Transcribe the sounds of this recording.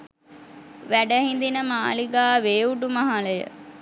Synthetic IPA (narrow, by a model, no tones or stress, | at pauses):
ʋæɖəɦind̪inəmaːliɡaːʋeːuɖumaɦaləjə̰